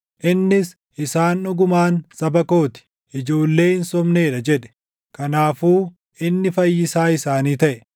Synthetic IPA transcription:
ʔɪnːɪs | ʔɪsaːnːʊɡʊmaːnsɐbɐko̞ːt̪ɪ̥ | ʔɪd͡ʒo̞ːlːe̞ːhɪnsɔmne̞ːᶑɐd͡ʒɛᶑɛ̥ | kɐnaːfuː | ʔɪnːɪfɐjːɪsaːɪsaːniːt̪ɐʔɛ

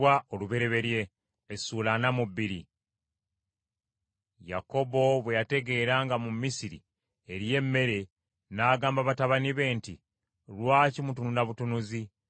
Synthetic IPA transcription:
wao̞luβe̞ɾe̞βe̞ɾje̞ː | suːlanamubːiɾḭ | ja̰ko̞bo̞βwe̞jate̞ɡe̞ːɾaŋɡamumisiɾḭ | eɾje̞mːe̞ɾe̞ | naːɡaːmbaβataβaniβe̞ːnti | ɾwaːcimutununaβutunuzi

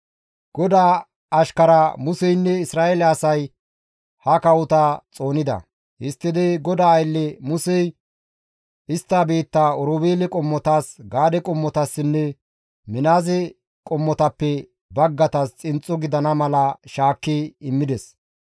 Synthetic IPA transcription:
ɡ̥ɔd̪aː | ɐʃkɐɾɐmʊsɛjnːɛɪsɾaːelɛɐsɐj | hɐkɐwʊt̪ɐt͡sʼo̞ːnɪd̪ɐ̰ | hɪst̪ːɪd̪ɛɡɔd̪aːjlːɛmʊsɛj | ɪst̪ːaːbeːt̪ːaɔɾoːbeːlɛkʼɔmːɔt̪aːsɡaːd̪ɛkʼɔmːɔt̪ɐsːɪnːɛ | mɪnaːzɛ | kʼɔmːɔt̪ɐpːɛ | bɐɡːɐt̪ɐst͡sʼɪnt͡sʼːɔɡɪd̪ɐnɐmɐlɐʃaːkːiɪmːɪd̪ɛs

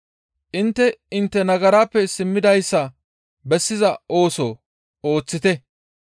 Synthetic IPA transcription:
ʔɪnt̪ːɛɪnt̪ːɛnɐɡɐɾaːpːɛsɪmːɪd̪ɐjsːɐ | bɛsːɪzɐʔo̞ːso̰ː | oːt͡sːɪt̪ɛ

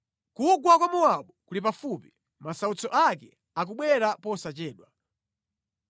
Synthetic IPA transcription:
kuɡwakwamuwaɓukulipafupi | masaut͡sɔʔakɛ | ak̬uɓwɛɾapɔsat͡ʃɛːɗwa

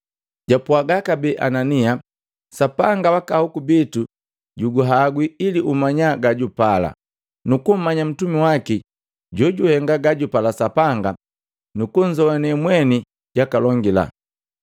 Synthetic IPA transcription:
ɟapuaɡakabɛʔanania | sapaŋɡawakahukubitu | ɟuɡuɦaɡwiiliʔumaɲaɡaɟupala̰ | nukum̩maɲam̩tumiwaki | ɟɔɟuhɛŋɡaɡaɟupalasapaŋɡa | nukuɲ̩d͡ʒɔwanɛmwɛni | ɟ̥akalɔŋɡila̰

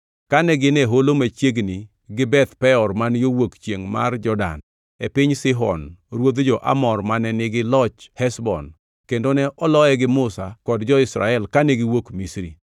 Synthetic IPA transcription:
kanɛɡɪnɛɦolomat͡ʃjeɡni | ɡɪbɛt̪pɛɔrmanjowokt͡ʃjeŋma̰rd͡ʒɔda̰n | epɪɲsɪɦɔ̰nɾwod̪d͡ʒɔʔa̰mɔrmanɛnɪɡɪlɔt͡ʃhɛsbɔ̰n | kendonɛʔɔlɔɛɡɪmʊsakɔdd͡ʒɔɪsɾa̰ɛlkanɛɡɪwokmisɾḭ

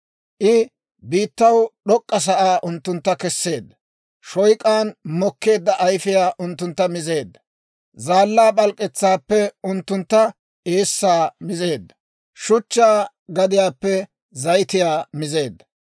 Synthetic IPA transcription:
ʔɪ | biːt̪ːɐwɗɔkʼːɐs̬ɐʔaːʔʊnt̪ːʊnt̪ːɐkɛsːe̞ːd̪ː | ʃɔjkʼaːnmɔkːe̞ːd̪ːɐʔɐjfɪjaːʔʊnt̪ːʊnt̪ːɐmɪze̞ːd̪ːɐ | zaːlːaːɓɐlkʼɛt͡sːaːpːɛʊnt̪ːʊnt̪ːɐ | ʔeːsːaːmɪze̞ːd̪ːɐ | ʃʊt͡ʃːaː | ɡɐd̪ɪjaːpːɛ | zɐjt̪ɪjaːmɪze̞ːd̪ːɐ̥

